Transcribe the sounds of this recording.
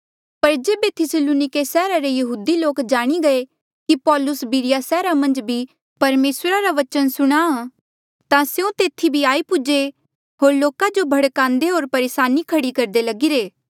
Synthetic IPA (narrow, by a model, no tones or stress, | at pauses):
pɐɾd͡ʒeːbet̪ʰɪsəluːnɪkesɛːɾaɾejɐɦuːd̪iloːkd͡ʒaːɽ̃iɡɐe | kipɔːlʊsbiɾɪjasɛːɾamɐ̃nd͡ʒbʱi | pɐɾmeːsɾaɾaʋɐt͡ʃənsʊɽ̃a | t̪ãseõt̪eːt̪ʰːibʱiaːipʊd͡ʒe | ɦoːɾloːkad͡ʒobʱɐɽkãːnd̪eɦoːɾpɐɾeːsaːnikʰɐɽikɐɾd̪elɐɡiɾeː